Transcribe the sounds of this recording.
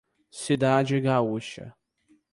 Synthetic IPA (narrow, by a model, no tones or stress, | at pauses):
sid̪ad͡ʒɪɡauʃɐ̰